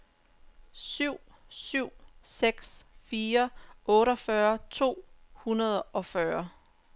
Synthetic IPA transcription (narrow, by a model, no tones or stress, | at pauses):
syʊ̰ | syʊ̰seɡ̥sfiːɐʔɔ̽ːɾɒfɶɐt͡sʰo̝̰ːhunɐð̞ˠʔɒ̽fɶɐ